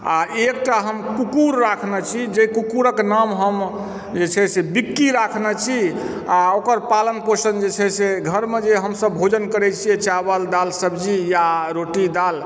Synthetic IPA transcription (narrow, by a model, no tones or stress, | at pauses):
aek̚ʈaɦəmkukuɾːakʰnɛt͡ʃʰid͡ʒekukuɾəknamɦəm | d͡ʒet͡ʃʰɛsebikːiɾakʰnɛt͡ʃʰi | aokəɾpalənpəsənd͡ʒet͡ʃʰɛseɡʱəɾmed͡ʒeɦəmsəbbʱod͡ʒənkəɾɛt͡ʃʰijɛt͡ʃabəld̪alsəbd͡ʒijaɾoʈid̪al